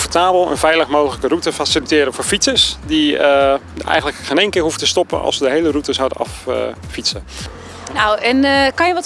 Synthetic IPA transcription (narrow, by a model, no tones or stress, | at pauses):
fəɹtaːbəlˠə̰nvɛjləχmowdələkərutəfasilitɪːɾəvʊːɹfitsəsdi | ɛ̰jənləkχenejnkɪːɹɦuvətəstɔpə̰nɑ̰lˠsədəɦejlərutəzawdə̰nɑ̰ffitsə | nawɛnkɑnjəʋɔt